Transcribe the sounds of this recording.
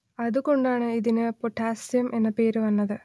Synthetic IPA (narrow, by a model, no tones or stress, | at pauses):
ɐðuko̞ɳɖaːɳɨiðinɨpoʈʰːaːsijɐmʔe̞nːɐpe̞ːɾuʋɐnːɐðɨ